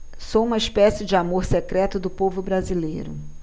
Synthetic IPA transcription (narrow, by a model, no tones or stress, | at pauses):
soũmɐispɛsɪd͡ʒɪamoɾsekɾɛt̪ʊd̪ʊpovʊbɾazilḛjɾʊ̰